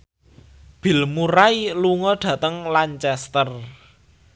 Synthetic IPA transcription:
b̥i̤lmuɾailuŋɔɖ̪̥ä̤t̪əŋlaɲt͡ʃɛst̪ər

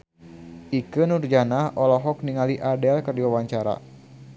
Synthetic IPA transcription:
ʔikənurd͡ʒanaʔɔlɔɦɔk̚niŋaliʔadɛlkərdiwawaɲt͡ʃaɾa̰

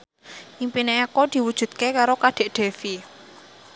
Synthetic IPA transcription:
ʔimpineekɔd̪̥i̤wud̥ʒ̥ṳd̪̥̚kekaɾokad̪̥e̤ʔɖ̪̥e̤fi

